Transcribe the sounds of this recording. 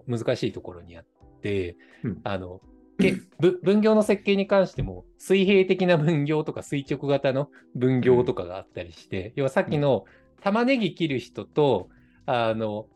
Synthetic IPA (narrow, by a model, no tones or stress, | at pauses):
mɯzɨkaɕiːt̪o̞ko̞ɾo̞ɲ̟iat̪ːe̞ | ano̞̰ | kebɯbɯ̟̃ŋɡʲo̞ːno̞se̞kːe̞ːɲ̟ikãɰ̃ɕi̥t̪e̞mo̞ | sɨiɦe̞ːt̪e̞kʲinabɯ̟̃ŋɡʲo̞ːt̪o̞kasɨit͡ɕo̞kɯ̟ɡat̪ano̞ | bɯ̟̃ŋɡʲo̞ːt̪o̞kaɡa̰ːt̪ːaɾʲiɕi̥t̪e̞joːβasakʲːino̞ | t̪amane̞ɡʲikʲiɾɯ̟çi̥t̪o̞t̪o̞ | ano̞